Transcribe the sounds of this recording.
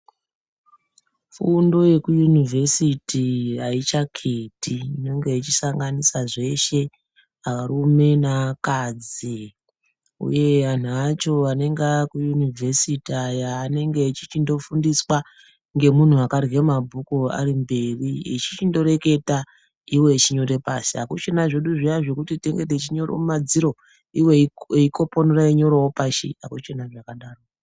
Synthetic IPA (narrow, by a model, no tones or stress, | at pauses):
fundo̞je̞kujunivʱe̞sitirait͡ʃakʰetiːno̞ŋɡe̞it͡ʃisaŋɡanisaʐe̞ʃe̞ | aʋarume̞nakad͡zi | ṵje̞ʋan̤uat͡ʃo̞ʋane̞ŋɡakujunivʱesitajaːne̞ŋɡe̞it͡ʃi̥t͡ʃindo̞fundiswa | ŋɡe̞mun̤uakarɣemabʱukua̰rimbe̞riit͡ʃit͡ʃindo̞ɾe̞ke̞ta | iwe̞t͡ʃiɲo̞ɾe̞pa̰siɦakut͡ʃe̞naʐe̞ɗuʐijaʐe̞kutite̞ŋɡe̞det͡ʃiɲo̞ro̰umad͡ziɾo̞ | iweeikʰo̞ponuraiɲo̞ɾowopaʃḭakut͡ʃe̞naʐakaɗaːro